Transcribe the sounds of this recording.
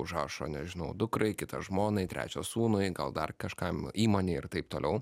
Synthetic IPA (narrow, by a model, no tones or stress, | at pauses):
ʊʒɑːʃo̰ːnʲɛʒʲɪnɐʊd̪ʊkɾɐɪkʲɪt̪ɐʒmoːnɐɪt̪ʲɾʲʔæ̰ːt͡ʃʲoːsuːnʊɪɡɐlˠd̪ɐrkɐʃkɐmiːmoːnʲeːɪrt̪ɐɪp̚t̪oːlʲɛʊ